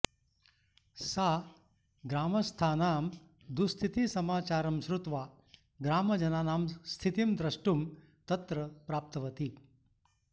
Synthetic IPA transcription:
saː | ɡɾaːmɐst̪ʰaːnaːm | d̪ust̪ʰit̪isɐmaːt͡ʃaːɾɐmʃɾut̪ʋaː | ɡɾaːmɐd͡ʒɐnaːnaːmst̪ʰit̪imd̪ɾɐʂʈum | t̪ɐt̪ɾɐpɾaːp̚t̪ɐʋɐt̪i

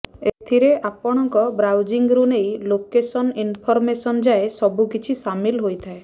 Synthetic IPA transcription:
et̪ʰiɾeʔapɔɽ̃ɔŋkɔbɾawd͡ʒiŋɡɾunejlokesɔninpʰɔɾmesɔnd͡ʒaesɔbukit͡ʃʰisamilɦojt̪ʰae

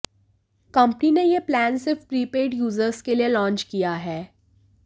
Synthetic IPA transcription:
kɐ̃mpninejeplæːnsɪfpɾiːpeːɖjuːzəɾskelielɔ̃ːnt͡ʃkijaɦɛː

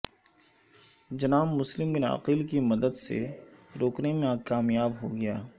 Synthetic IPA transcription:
d͡ʒɐnaːmːʊslɪmbɪnɐ̰qiːlkimɐd̪əd̪sḛɾoːknemẽkaːmjaːbɦoɡɐjaː

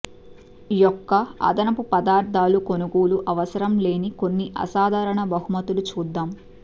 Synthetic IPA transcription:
jɔkːɐɐ̰d̪ɐnɐpupɐd̪aːɾd̪ʱaːluko̞nuɡuːluʔɐʋɐsɐɾɐmle̞ːniko̞nːiʔɐ̰saːd̪ʱaːɾɐɳɐbɐɦumɐt̪ulut͡ʃuːd̪ːaːm

